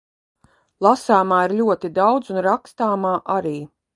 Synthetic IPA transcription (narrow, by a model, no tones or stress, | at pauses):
lˠasaːmaːiɾlʲuɔt̪id̪awd̪zunɾakst̪aːmaːʔaɾiː